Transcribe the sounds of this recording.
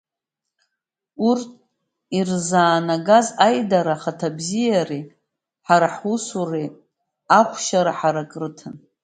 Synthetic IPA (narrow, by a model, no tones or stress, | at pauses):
urtʼ | irzaːnaɡazajdaɾaχatʰabzijari | ħaɾaħusure | aχʷʃaɾaħaɾakʼrɨtʰɨn